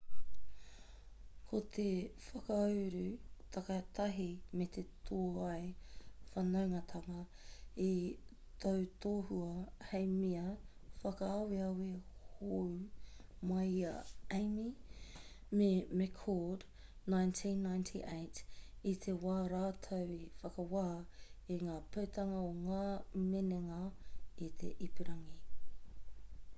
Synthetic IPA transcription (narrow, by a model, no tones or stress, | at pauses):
kʰot̪ʰefɐkɐawɾʉt̪ʰɐkɐt̪ʰɐɦimet̪ʰet̪ʰoːɐjfɐnɐwŋɐt̪ʰɐŋɐi | t̪ʰowt̪oːhuɐhejmiɐ | fɐkɐːwiɐwehowmɐjɐejmi | memɛkʰod | najntʰĩnːajntʰḭʔejtit̪ʰewaːɾaːtʰɐwifɐkɐwaːiŋaːpʰɐwt̪ʰɐŋɐoŋaːmeneŋɐit̪ʰḛʔipiɾɐŋi